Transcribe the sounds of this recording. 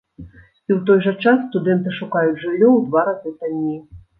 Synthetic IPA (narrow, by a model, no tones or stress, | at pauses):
iwt̪ɔjʐɐt͡ʂasːt̪ud̪ɛnt̪ɨʂukajud͡zʲʐɨlʲːɔwd̪vaɾazɨt̪anʲːi